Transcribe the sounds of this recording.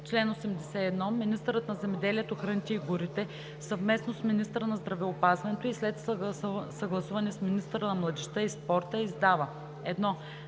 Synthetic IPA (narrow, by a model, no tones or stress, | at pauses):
t͡ʃlɛnosɛmd̪ɛsɛɛd̪nɔminist̪əɾət̪nɐzɛmɛd̪ɛliɛt̪oxɾənit̪ʲiiɡuɾit̪ɛ | sɐvmɛsnosminist̪əɾənɐzd̪ɾɐvɛopazvɐnɛt̪oislɛt̪ssɐɡlˠɐsuvɐnɛsminist̪əɾənɐmlˠɐd̪ɛʃt̪əispɔɾt̪əizd̪avə | ɛd̪nɔ